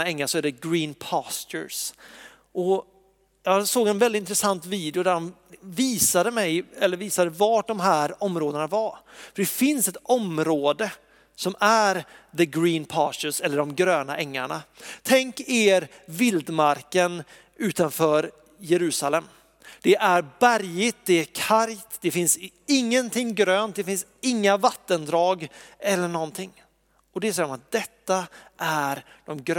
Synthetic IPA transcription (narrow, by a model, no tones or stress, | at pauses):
aɛŋːaʂɔæːɖɛɡɾiːnpʰɑːst̪ə̰ɾs | ʔɔ | jɑsoːɡɛnvɛlɪt̪ɪnt̪ɾɛsant̪viːd̪ɪʊd̪æɖɔm | viːsad̪əmɛjɛlːəɾviːsad̪əvaʈ̚ɖɔmɦæːɾɔmːɾoːd̪ənavaɾfœɖɛfɪnsɛt̪ɔmɾoːd̪ə | sɔmæɾðəɡɾiːnpʰɑːstəsɛlːəɖɔmɡɾøːnaʔɛŋːaɳat̪ʰɛŋkeːɾvɪld̪maɾkən | ʉ̟ːt̪anfœːɾ | jɛɾʉ̟ːsalɛm | d̪̥ɛʔæɾbæɾjɪt̪̚d̪ɛækʰaɾjt̪d̪ɛfɪnsɪŋːənt̪ʰɪŋːɡɾøːnt̪̚d̪ɛfɪns | ɪŋːavat̪ːənd̪ɾɑːɡɛlːəɳɔnt̪ʰɪŋː | ɔd̪ɛsɛjɾmat̪̚d̪ɛt̪ːaʔæɾd̪̥ɔmɡɾ